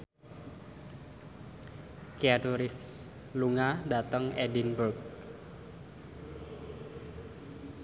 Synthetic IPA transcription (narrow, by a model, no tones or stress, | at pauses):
kiaduɾifs | luŋada̤t̪əŋɛdinbərk̚